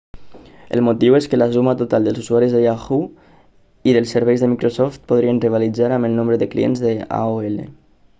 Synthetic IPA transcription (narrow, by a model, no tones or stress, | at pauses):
ə̰lˠmut̪iweskəlasumat̪ut̪alˠd̪əlˠzuzuaɾizðəjaxu | iðəlˠsəɾβɛjzðəmikɾosɔft̪̚puðɾiənriβ̞alid͡zaɾaməlnõmbɾəðəklḭḛnzðəa̰oelḛ